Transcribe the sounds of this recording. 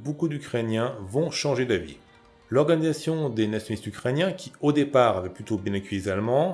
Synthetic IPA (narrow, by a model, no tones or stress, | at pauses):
bokud̪ykχɛnjɛ̃vɔ̃ʃɑ̃ʒed̪avḭ | lɔʁɡanizasjɔ̃d̪enasjɔnlist̪ykχɛnjɛ̃kʲʰiod̪epaːʁavɛplyt̪objɛ̃nakʲyjizalmɑ̃